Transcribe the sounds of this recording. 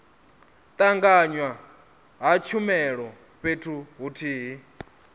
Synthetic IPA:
t̪ʼaŋɡaɲwa | ɦat͡ʃʰumɛɺɔ | ɸetʰuɦutʰiːɦi

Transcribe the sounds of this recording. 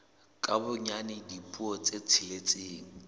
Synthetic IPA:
kʼabʊɲanɪdipʼuɔt͡set͡sʰɪlet͡sʼeːŋ̩

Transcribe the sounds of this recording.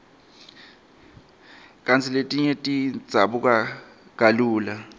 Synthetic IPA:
kʼant͡sʰiletʼiɲɛtʼid͡zʱaɓukʼa | k̬ʼaluːla

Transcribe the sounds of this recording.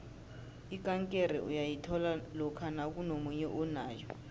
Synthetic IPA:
ikaŋkʼer̤ɛ̰ʔṵjajitʰɔlalɔkʰanak̬unomuɲɛʔunaːjɔ

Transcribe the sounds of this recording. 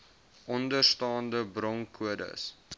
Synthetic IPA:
ʔɔndərstɑːndəbrɔŋkʰuədə̰s

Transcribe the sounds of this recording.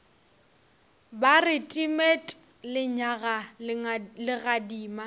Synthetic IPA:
barɪtʼimetʼ | lɪɲaɣa | lɪɣadiːma

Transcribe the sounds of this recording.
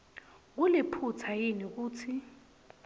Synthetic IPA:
k̬ulipʰut͡sʰajinik̬uːt͡sʰi

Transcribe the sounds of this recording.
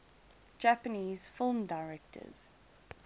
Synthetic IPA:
d͡ʒæpəniːz̥fɪlˠmdaɪɹɛk̚tʰə̰z̥

